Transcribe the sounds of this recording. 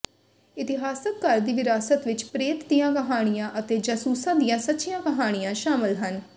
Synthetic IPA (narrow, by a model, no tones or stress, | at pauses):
ɪt̪ɪɦaːsək̪kəɾd̪iːʋɪɾaːsət̪ʋɪt͡ʃpɾeːt̪d̪ijãːkəɦaːɽ̃ijãːʔət̪eːd͡ʒəsuːsãːd̪ijãːsətːʃijãːkəɦaːɽ̃ijãːʃaːmɪlɦən